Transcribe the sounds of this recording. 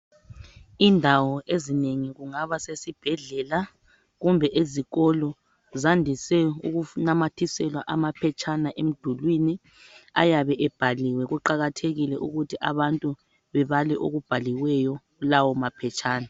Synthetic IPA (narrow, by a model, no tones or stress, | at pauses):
indʱawɔʔezineŋiɣuŋaβasesib̥ʱɛɮɛla | ɣumbʱɛʔeziɣɔlɔ | zandʱisɛuɣunamatʰisɛlwaʔamapʰɛt͡ʃʰʼanaʔem̩d̥ʱulwini | a̰jaβɛʔɛb̥ʱaliwɛɣuǃaɣatʰeɣilɛʔuɣutʰiʔa̰βantʼu | βɛβalɛʔo̰ɣub̥ʱaliwɛjɔ | ulawɔmapʰɛt͡ʃʰʼaːna